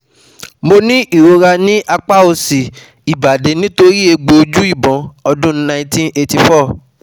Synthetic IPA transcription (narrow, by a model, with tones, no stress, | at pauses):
mo˧nĩ˦ʔi˦˨ɾo˧ɾa˧nĩ˦ʔa˧k͡pa˦o˧si˨ | i˨ba˨de˨˦nĩ˦to˧ɾi˦e˧ɡ͡bo˧d͡ʒu˦i˦˨bɔ̃˨˦ɔ˧dũ˦nã˧˦ĩ˦tĩ˦ne˧ti˧fɔ˦˨